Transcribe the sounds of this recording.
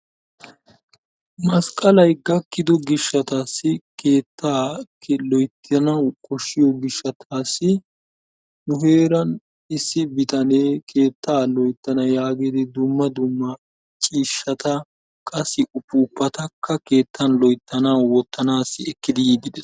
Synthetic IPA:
mɐskʼɐlɐjɡɐkːɪd̪ɔɡɪʃːɐt̪aːsːɪkʰe̞ːt̪ːaːkɛlɔjt̪ːɪjɐnɐwkʼɔʃːɪjɔɡɪʃːɐt̪ʰaːsːɪ | nʊhe̞ːɾɐn | ɪsːɪbɪt̪ɐneːkʰe̞ːt̪ːaːlɔjt̪ːɐnɐjaːɡed̪ɪd̪ʊmːɐd̪ʊmːɐ | t͡ʃʼiːʃːɐt̪ɐ | kʼɐsːɪʔʊpːuːpːɐt̪ɐkːɐke̞ːt̪ʰːɐnlɔjt̪ːɐnɐwwɔt̪ːɐnaːsːɪɛkːɪd̪ɪjiɡɪd̪ɛ

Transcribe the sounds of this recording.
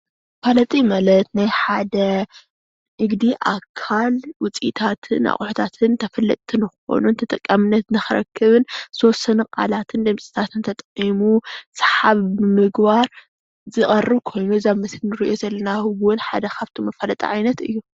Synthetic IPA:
mɐfalɐt̪ʼimalɐt̪najħad̪ɐ | ʔɨɡd̪iʔakʰalwʊt͡sʼit̪ʰat̪ʰɨna̰χʼuħut̪ʰat̪ʰɨnt̪ʰɐfɐlːɐ̰t̪ʼt̪ʰːɨnɨxɨo̰nunt̪ʰɐt̪ʼɐkʼːamɨnːɐt̪nɨxɨɾɐ̰kʰːɨβɨnɨtʰwɔsɐnuqʼa̰lat̪ʰɨnd̪ɨmsʼi̥t̪ʰat̪ʰɨnt̪ʰɐt̪ʼʔimusħaβɨmɨɡbaɾ | zɨχʼɐrːɨβkʰo̞jnuzaβmɐslnɨɾiʔo̞zɐlːɐnawʊnħa̰d̪ɐkʰaβt̪ʰomɐfɐlɐt̪ʼḭʕajnɐt̪ɨ̰jːu

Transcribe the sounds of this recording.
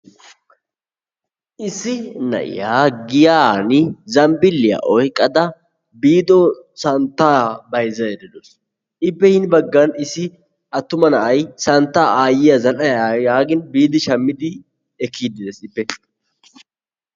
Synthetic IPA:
ʔɪsɪnɐ̰ʔɪ̰jaːɡɪjaːnɪzɐmbɪlːɪja̰ʔɔjkʼːɐd̪ɐ | biːd̪ɔsɐnt̪ːaːbɐjzɐjɛd̪ɛd̪os | ʔɪpːɛhɪnbɐɡːɐnɪsɪ | ɐt̪ːʊmɐnɐʔɐjsɐnt̪ːaːʔaːjɪjɐzɐlɐjjaːɡɪnbiːd̪ɪʃɐmːɪd̪ɪ | ɛkʰːiːd̪ɪd̪esɪpːɛ

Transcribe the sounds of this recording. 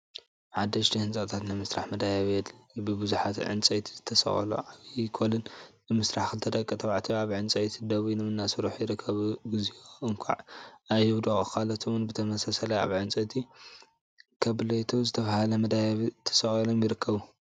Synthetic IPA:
ħad̪ːɐʃd̪ihɨnt͡sʼɐt̪ʰat̪nɨmɨsɾaħmɐd̪ajaβjɛd̪bɨbɨzuħat̪ʕɨ̰nt͡sʼɐjt̪ʰizɨ̥t̪ʰːɐsɐ̰χʼɐ̰lo̰ʔaβikʰolɨnː | ɨmɨsɾaħkʰɨt̪ʰɐd̪ɐkʼːɐt̪ʰʼɐβʕt̪ʰiaβʕɨnt͡sʼɐjt̪ʰid̪ɐβinɨmɨnːasɨɾuħjɪɾɨkʰːɐβɡɨzioɨŋkʷʰa̰ʕajhɨwd̪ɐxʼkʰalɐt̪ʰowunbɨt̪ʰɐmɐsasɐlɐa̰βʕɨnt͡sʼɐt̪ʰi | kʰɐβlojt̪ʰozɨt̪ʰɐfahalɐmɐd̪ajaβit̪ʰɐ̥sɐχʼɐlomjɪɾɨkʰːɐβu

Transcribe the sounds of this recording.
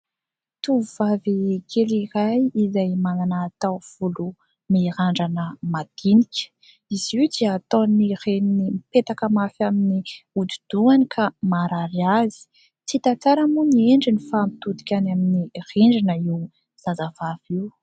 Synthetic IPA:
t̪uuv̥avikʰelirajizajmananaːt̪awv̥ulu | miɾaɳɖ͡ʐanəmad̪̥inikʲə̥ | iziwd̪iːt̪onireninimipet̪akəmafaminiud̪id̪̥uanikʰamaɾaɾiazi̥ | t͡sit̪at͡saɾəmunieɳɖ͡ʐinifamit̪ud̪i̥kʲanaminireɳɖ͡ʐinəiw | z̥azav̥av̥iw

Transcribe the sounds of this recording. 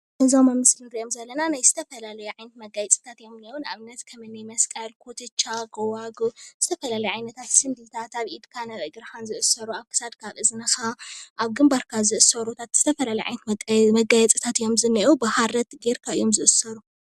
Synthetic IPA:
ɨzomɐmɨslnɨɾiʔomzɐlːɐnanajzɨt̪ʰɐfɐlalɐjuʕajnɐt̪mɐɡajɛt͡sʼɨ̥t̪ʰat̪jo̞mnːiunaβnɐt̪kʰɐmɨnɨjmɐskʼɐlkʰot̪ʰɨt͡ʃʰːaɡɐwaɡuz̥ɨt̪ʰɐfɐlalɐjʕajnɐt̪ʰat̪sɨnd̪it̪ʰat̪aβid̪kʰanɐβɐɡɨɾhanzɨʔɨsɐɾuaβkʰɨ̥sad̪kʰaβʔɨzɨnɐxaʔaβɡɨmbaɾkʰazɨʔɨsɐɾut̪ʰat̪z̥ɨt̪ʰɐfɐlalɐjʕa̰jnɐt̪mɐɡajɛt͡sʼɨt̪ʰat̪ɨjo̞mzɨnːɐʔubɨhaɾɐt̪ɡeɾkʰaɨjːo̞mzɨʔɨsɐɾu

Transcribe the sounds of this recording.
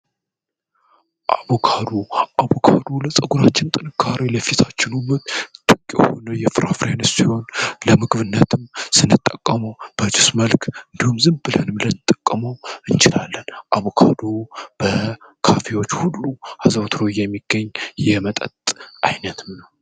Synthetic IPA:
ʔaβokʰad̪oʔaβokʰad̪oləsʼəɡuɾat͡ʃːɪnt̪ʼɨnɨkʰːaɾiləfit̪ʰat͡ʃːɪnumɨt̪t̪ʼɨkʼːjɛho̞̰nəjɛfɨɾa̰fɾenɨsiho̞nləmɨɡβɨnːət̪ʰɨmsɨnːɨt̪ʼːəkʼːəməwb̥ət͡ʃɪsməlkʰɨnd̪ihumzɨmbɨlhɨnɨmlənɨt̪ʼːəkʼːəməwɨnt͡ʃɪlalːənʔaβokʰad̪ob̥əkʰafewot͡ʃːhulːuhazəwt̪ʰɾojɛmːiɡ̥ːəɲːjɛmət̪ʼə̰t̪ʼʔa̰jnət̪ɨmnəw

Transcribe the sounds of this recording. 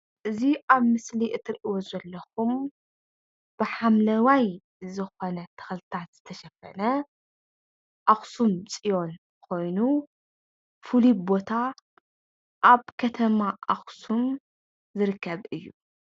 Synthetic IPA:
ʔɨziʔaβmɨsliʔɨt̪ʰːɨɾʔiwozɐlːɐxum | b̥ɨħamlɐwaj | zɨxo̞nɐt̪ʰɐ̥xlt̪ʰat̪z̥ɨt̪ʰɐʃɐfɐ̰nɐ | ʔaxsumt͡sʼijo̞n | kʰo̞jnu | fɨlibo̞t̪ʰa | ʔaβkʰɐt̪ʰɐmaʔaxsum | zɨɾɨkʰːɐβɨjːu

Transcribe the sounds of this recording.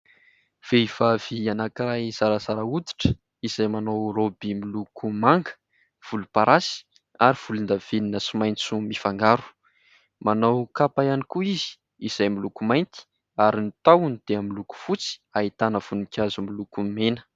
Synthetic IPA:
v̥eiv̥avianakiɾajz̥aɾazaɾaud̪i̥ʈ͡ʂə̥ | iz̥ajmanowɾobimilukumaŋɡə̥ | v̥ulupaɾasi̥ | aɾiv̥ulund̪av̥eninəsimajnt͡sumifaŋɡaɾu̥ | manawkapajanikuizi̥ | iz̥ajmilukumajnt̪i̥ | aɾinit̪awunid̪̥eamiluku̥fut͡si̥aɦit̪anəv̥unikʰʲazumilukumenə̥

